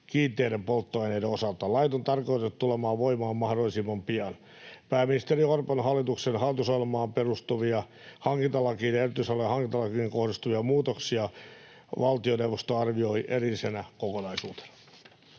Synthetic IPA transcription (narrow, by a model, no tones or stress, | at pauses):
kiːt̪ːˑeːdempolt̪ːoɑinedeosɑlt̪ɑlɑit̪ont̪ɑrkoit̪et̪t̪ulemɑːʋʋoimɑːmmɑhdolːisimːɑmpiɑn | pæːmːinist̪eriorponɦɑlːit̪uksenhɑlːˑit̪usojelmɑːmperust̪uʋiɑ | hɑŋkint̪ɑlɑkiːnerot̪ysɑlːojɑhɑŋkint̪ɑlɑkieŋkohdist̪uʋiɑmuːt̪oksiɑ | ʋɑlt̪ionewʋost̪oɑrʋioiʔerilisenækokonɑisuːt̪e̥n̥ɑ̥